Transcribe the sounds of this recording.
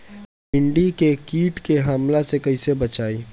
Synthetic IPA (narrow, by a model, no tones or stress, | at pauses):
pɪ̃ɳɖikekiːʈkeɦəmlasekɐisebɐt͡ʃaːi